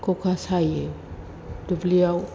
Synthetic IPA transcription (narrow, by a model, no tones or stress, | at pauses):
kokasaje | d̥ubliaw